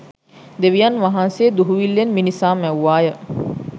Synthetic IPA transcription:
d̪eʋijanʋaɦanseːd̪uɦuʋilːenminisaːmɛwʋaːjə

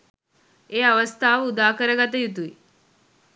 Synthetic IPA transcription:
eːaʋəst̪ʰaːʋəud̪aːkəɾəɡat̪̬əjut̪̬uʋi

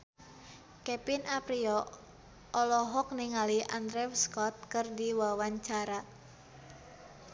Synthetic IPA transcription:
kɛpinapɾiɔ | ɔlɔɦɔk̚niŋaliʔand̪ɾɛwskɔt̪̚kɨrdiwawaɲt͡ʃaɾa

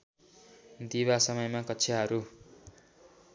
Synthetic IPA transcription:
d̪iβasʌmʌjmakʌtːsʰaɦʌɾu

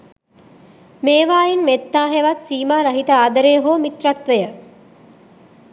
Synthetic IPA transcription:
meːʋaːjinmet̪ːaːɦeʋat̪siːmaːɾɐɦit̪əaːd̪əɾeːɦoːmit̪rat̪ʋəjə

